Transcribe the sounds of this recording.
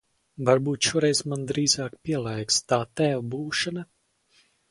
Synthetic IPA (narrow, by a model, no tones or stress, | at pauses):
vaɾbuːt̪ʃuɔɾɛjzmand̪ɾiːzaːkpʲiɛlˠɛjkst̪aːt̪æwbuːʃana